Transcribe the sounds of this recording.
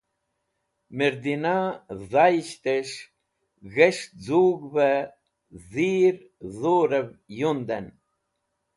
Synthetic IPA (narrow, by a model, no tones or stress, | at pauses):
mɛɾd̪inaðajʃt̪ɛʃ | ɣɛʃd͡zuːɡvɛ | ðiːɾ | ðuɾɛvjund̪ɛn